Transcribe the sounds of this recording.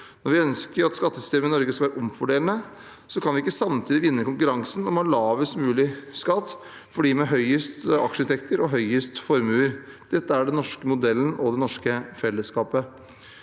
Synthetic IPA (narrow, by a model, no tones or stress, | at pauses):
nnɔɾʋɪœnskəɾɑt̪skɑt̪ːəsʏ̥st̪eːməɪnɔɾɡəskɑlʋæːɾəʔɔmfɔɖeːlənə | sɔkʰɑnʋɪɪkːəsɑmt̪ʰiːd̪ɪʋɪnːəkʊŋkʉɾɑŋsnɔmhɑːɭɑːʋəst̪mʉːlɪskɑt̪ː | fɔɖiːmɛɦœʏəst̪ɑ̰kʂəɪnt̪ɛkt̪əɾɔɦœʏəst̪fɔɾmʉːəɾ | d̪̥ɛt̪ːəæɖɛnnɔʂkəmʊd̪ɛlːənɔd̪ɛnɔʂkəfɛlːəskɑːpə